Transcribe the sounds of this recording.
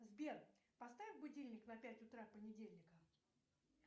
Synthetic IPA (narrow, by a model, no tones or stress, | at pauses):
zbʲerpɐst̪avʲɪfʲbʊdʲelʲnʲɪknɐpʲætʲʊt̪ɾapənʲɪdʲelʲnʲɪkə